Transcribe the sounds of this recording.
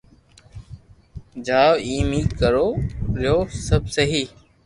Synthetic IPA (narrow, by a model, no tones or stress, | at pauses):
d͡ʒaːʋiːmiːkəɾoːɾɪjoːsəbsəɦiː